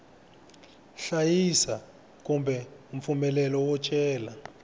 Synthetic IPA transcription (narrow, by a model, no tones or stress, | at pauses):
ɬajisa | k̬ʼumbʱɛum̩fumɛlɛlɔwɔt͡ʃʼɛːla